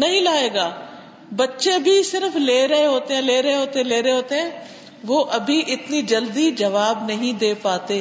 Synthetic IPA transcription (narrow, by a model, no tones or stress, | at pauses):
nɐɦĩlaːeːɡaː | bɐtːʃebʱisɪɾfleːɾɐɦeɦoːt̪eɦɛ̃ːleːɾɐɦeɦoːt̪eɛ̃leːɾɐɦeɦoːt̪eɦɛ̃ː | ʋoːʔɐbʱiʔɪt̪nid͡ʒɐld̪id͡ʒɐʋaːbnɐɦĩd̪eːpaːt̪eː